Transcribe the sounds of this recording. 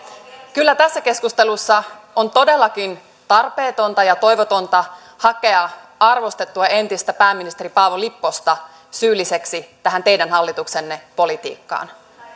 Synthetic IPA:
kylːæt̪æsːæke̞skust̪elusːɑont̪o̞delːɑkin | t̪ɑrpe̞ːt̪o̞nt̪ɑjɑt̪o̞jʋot̪o̞nt̪ɑ | hɑke̞ɑ | ɑrʋo̞st̪e̞t̪ːuɑe̞nt̪ist̪æpæːmːinist̪eɾipɑːʋolipːo̞st̪ɑ | syːlːise̞ksit̪æɦænt̪ejdænɦɑlːit̪ukse̞nːepo̞lit̪ḭːkːɑ̰ːn

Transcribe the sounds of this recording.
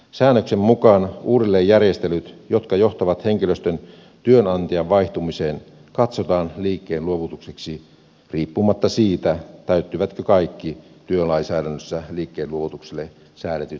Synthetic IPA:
sæːnːˑøksemmukɑːnuːɾelːeːjjærjest̪elyt̪jot̪kɑjo̞ht̪ɑʋɑt̪heŋkiløst̪øn | t̪yønɑnt̪iɑʋʋɑiht̪umiseːn | kɑt̪sot̪ɑːnliːkːeːnluoʋut̪ukseksi | riːpːumɑt̪ːɑsiːt̪æt̪æyt̪ːyʋæt̪køkɑikːit̪yølɑinsæːɾænːøsːæliːkːeːlluoʋut̪ukselːe | sæːɾet̪y

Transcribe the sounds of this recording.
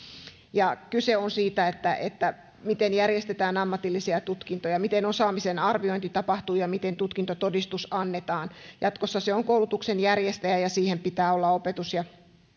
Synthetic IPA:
jɑkyseonsiːt̪æet̪ːæʔḛt̪ːæ | mit̪enjærjest̪et̪æːnɑmːɑt̪ilːisiɑt̪ut̪kint̪ojɑmit̪enosɑːmisenɑrʋioint̪it̪ɑpɑht̪uːjɑmit̪ent̪ut̪kint̪ot̪odist̪usɑnːet̪ɑːnjɑt̪kosːɑseoŋkoulut̪uksenjærjest̪æjæjɑsiːhempit̪æːolːɑopet̪usjɑ

